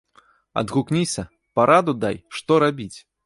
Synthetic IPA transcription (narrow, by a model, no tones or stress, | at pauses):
ɐ̰d̪ɣuknʲisʲɐ | paɾʔad̪ud̪ajʂt̪ɔɾabʲit͡sʲ